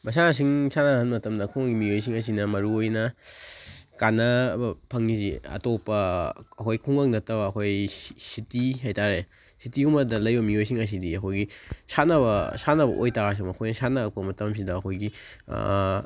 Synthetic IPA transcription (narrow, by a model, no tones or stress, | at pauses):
mɐs̬anas̬iŋsanɐhɐnmɐtɐmdɐkʰuŋɐŋɡimiojs̬iŋɐs̬inɐmɐɾuojnɐ | kanɐbpʰɐŋniziɐ̰topːɐːkʰojkʰuŋɐk̚nɐtɐbɐːkʰojsitiɦajtaɾe | sitiumɐdɐlɐjbɐmiojs̬iŋɐs̬idiɐkʰojɡisanɐβɐsanɐbɐ̰ʔojtaɡas̬imɐkʰojnɐsanɐːk̚pɐmɐtɐms̬idɐːkʰojɡḭ